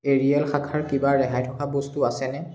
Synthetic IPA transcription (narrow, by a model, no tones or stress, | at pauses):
eɹiɛlxakʰaɹkibaɹɛɦajtʰɔkabɔstuasɛnɛ